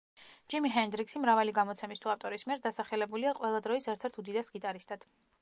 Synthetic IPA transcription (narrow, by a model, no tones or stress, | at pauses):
d͡ʒimiɦɛnd̪ɾiksimɾavaliɡamɔt̪sʰɛmist̪ʰuaft̪ʼɔɾismiɛɾd̪asaχɛlɛbuliaqʼwɛlˠad̪ɾɔisɛɾt̪ʰɛɾt̪ʰud̪id̪asɡit̪ʼaɾist̪ʰʼad̪̥